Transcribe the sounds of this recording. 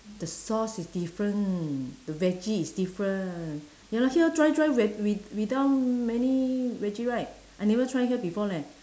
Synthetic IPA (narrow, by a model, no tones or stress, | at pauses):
d̥əsɔsisdifɹə̃ndəvɛd͡ʒiːsdifɹə̃ | jalahiətɹajdɹajwɛwiwidaʊt̚mɛ̃nivɛd͡ʒiɹaɪt̚ | ʔajnɛvətʰɹaj̃ŋhiəbifɔlɛ̃